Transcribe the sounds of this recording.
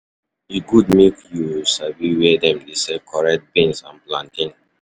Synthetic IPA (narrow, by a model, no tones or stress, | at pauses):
iɡud̚mekjusabiwɛdɛ̃mdesɛkʰɔɹɛk̚t̚bẽnsãnplãntĩŋ